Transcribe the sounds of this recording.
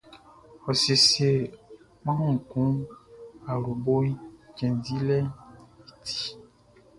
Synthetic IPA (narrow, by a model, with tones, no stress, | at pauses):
xɔ˨se˨se˨ | mã˦ɔ˦ŋ̩˨kũ˦ | a˨ɾu˨bo˦i˦t͡ʃɛ̃˨ndi˦lɛ˦i˨tʰi̥˦